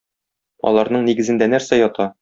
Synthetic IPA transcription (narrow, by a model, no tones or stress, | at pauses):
ɒ̰lˠɑɾnɤɴniɡɘ̆zɘ̆nd̪ænæɾsæjɒt̪ɑ